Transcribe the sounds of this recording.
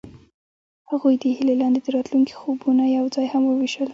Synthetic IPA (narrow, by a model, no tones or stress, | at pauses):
haɣujd̪əhilelɑnd̪ed̪əɾɑt̪luŋki̥xobunajawd͡zɑjhamwəwiʃəl